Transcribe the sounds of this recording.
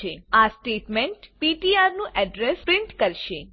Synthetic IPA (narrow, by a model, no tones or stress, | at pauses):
easʈeʈmẽɳʈpiʈiaɾnũʔɛɖɾɛspɾɪɳʈkəɾʃe